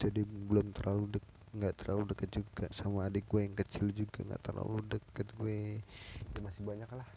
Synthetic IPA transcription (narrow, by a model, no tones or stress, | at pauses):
d͡ʒadibəlʊmt̪ərlaludə | ŋɡaʔt̪ərlaludəkət̪̚d͡ʒuɡasamaːdiɡuejaŋkət͡ʃɪld͡ʒuɡa̰ŋɡa̰ʔt̪ərla̰ludəkət̪̚ɡue | jamasɪhbaɲaklah